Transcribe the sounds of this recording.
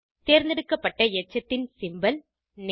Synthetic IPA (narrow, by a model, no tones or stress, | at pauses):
t̪eːɾnd̪ɪɽɯkːɐpːɐʈːɐɪɛt͡ʃːɐt̪ːɪnsɪmbɐl | n